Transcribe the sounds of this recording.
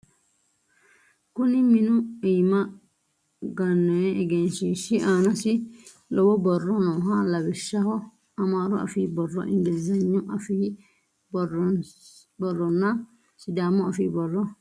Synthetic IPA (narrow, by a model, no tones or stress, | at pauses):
kuniminuijma | ɡanːɔɛʔɛɡɛnʃiʃiʔaːnasi | lɔbɔbɔrːɔnɔɦalabiʃahɔ | amaɾɔa̰fibɔrːɔ̰ʔḭŋɡilzaɲːɔafi | bɔrɔ | bɔrːɔnːa | sidamɔafibɔrɔ